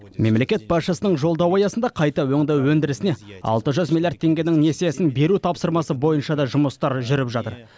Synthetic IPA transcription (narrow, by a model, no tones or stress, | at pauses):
me̞mle̞kʲe̞t̪̚bɑsʃəsənəɴʒo̞lˠd̪ɑwɑjɑsənd̪ɑqʰɑjt̪ɑwɵŋd̪ɑwwɵnd̪ɪɾɪsɪne̞ɑ̰lˠt̪əʒʏzmʲilʲˠjaɾt̪ʰːe̞ŋɡʲenɪŋnesejesɪnbe̞ɾut̪ʰɑpsəɾmɑsəbo̞jənʃɑd̪ɑʒʊməst̪ɑɾʒʏɾɪpʒɑt̪əɾ